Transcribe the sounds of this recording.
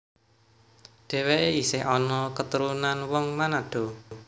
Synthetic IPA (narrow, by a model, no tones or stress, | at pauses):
ɖ̥e̤weeisɪɦɔnɔkət̪uɾunanwɔŋmanaɖ̪̥ɔ̤